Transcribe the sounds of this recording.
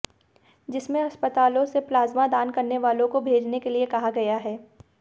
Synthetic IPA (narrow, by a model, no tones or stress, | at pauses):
d͡ʒɪsmẽɐspət̪aːlõseplaːzmad̪aːnkɐɾneʋaːlõkobʱeːd͡ʒnekeliekɐɦaɡɐjaɦɛː